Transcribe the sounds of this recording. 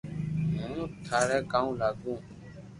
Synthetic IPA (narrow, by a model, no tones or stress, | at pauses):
nũnũtʰaɾɛkãũlaɡũ